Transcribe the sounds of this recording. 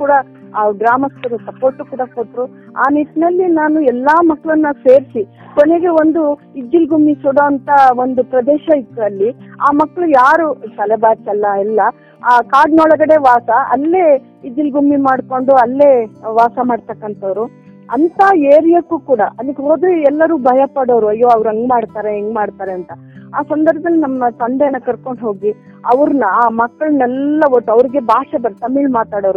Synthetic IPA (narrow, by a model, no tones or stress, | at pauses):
kuːɽɐ | ɖɾaːmɐst̪ɐɾusɐpo̞ːɾʈːukuːɽɐkoʈːɾu | a̰ːnit̪nɐlːinaːnuɛlːaːmɐkːɭɐnːɐse̞ːɾsi | koneɡeo̞nd̪u | id͡ʒːilɡumːisuɽɐɐnt̪ɐond̪upɾɐd̪ɛːʃɐik̪ːɐlːiaːmɐkːɐɭujaːɾusɐlɛbaːɾt͡ʃɐlːɐɛlːɐː | kaːɖnɔːɭɐɡɐɽe̞ʋaːsɐɐ̰lːe̞ː | id͡ʒ̪ilɡʱumːimaːɽko̞ɳɖuɐlːe̞ːʋaːsɐmaːɖt̪ɐkːɐnt̪ɐʋɾu | ɐnt̪aːeːɾijɐkːuːkuːɽɐʔɐd̪ikːɦoːd̪ɾuɛlːɐɾuːbʱɐjɐpɐɽoːɾuɐjːoːɐʋɾuɐŋɡmaːɽt̪aːɾeeŋɡmaːɽt̪aːɾeɐnt̪ɐ | aːsɐnd̪ɐɾbɐd̪ɐlːinɐmːɐt̪ɐnd̪ɛnːɐkɐɾko̞ɳɖɦo̞ːɡi | ɐʋɐɾnɐaːmɐkːɐɭunɛlːɐʋoʈːɐʋɾiɡe̞bʱaːʂɐbɐɾt̪ɐmiːɭmaːt̪aːɽoːɾu